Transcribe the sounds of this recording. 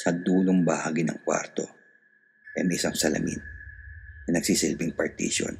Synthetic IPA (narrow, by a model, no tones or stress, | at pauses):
sɐd̪uːloŋbɐhaːɡɪnɐ̰ŋkwa̰ɾt̪o̞ | ʔɛŋʔɪsaŋsɐlɐ̰ŋɪ̰n | nɐnɐɡ̥sisɪlbɪŋpɐɹt̪ḭːʃo̰n